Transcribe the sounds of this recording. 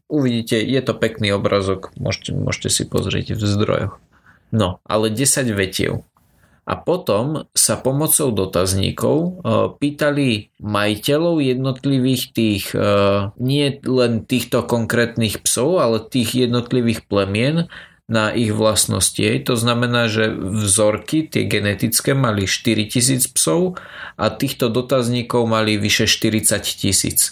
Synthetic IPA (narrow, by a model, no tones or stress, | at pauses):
uʋiɟiːcɛjɛt̪ɔpɛkniːɔbɾazɔkmʊɔ̰ʃɛmʊɔ̰ʃcɛsḭpɔ̰zɾɪɛ̰ɟvzd̪ɾɔ̰jɔ̰x | nɔʔa̰lɛɟɛsaɟʋɛcɪɛ̰ʊ | ʔa̰pɔt̪ɔmsapɔmɔt͡sɔʊd̪ɔt̪azɲḭːkɔʊpiːt̪alimajicɛlɔʊjɛd̪nɔt̪liʋiːxt̪iːɣ | ɲɪɛlɛnt̪iːxt̪ɔkɔŋkɾɛːt̪niːxpsɔʊalɛt̪iːɣjɛd̪nɔt̪liʋiːxplɛmɪɛnː | aʔiɣʋlasnɔ̰scḭɦɛjt̪ɔznamɛnaːʒɛvzɔɾkit̪ɪɛ̰ɡɛnɛt̪it͡skɛmaliʃt̪iɾicis̬iːt͡spsɔʊ | ʔat̪iːxt̪ɔd̪ɔt̪azɲiːkɔʊmaliʋiʃɛʃt̪iɾit͡saccisḭːt͡s